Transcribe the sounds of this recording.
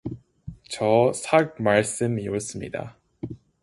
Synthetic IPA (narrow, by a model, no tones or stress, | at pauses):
t͡ɕʌsʰak̚maɭs͈ɯmios͈ɯmɲḭda̰